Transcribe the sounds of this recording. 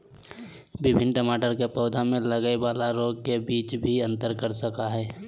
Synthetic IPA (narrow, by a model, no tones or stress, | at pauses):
bɪbʱɪnʈəmaːʈəɾkepɔːd̪ʱamẽləɡəebaːlaɾoːɡ̚kebiːt͡ʃbʱiə̃nt̪əɾkəɾsəkaɦɛː